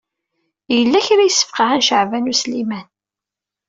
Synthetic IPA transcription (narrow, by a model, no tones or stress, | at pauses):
jəlːæçɾæjəsːə̥fqɑanʃəʕvænuslimæn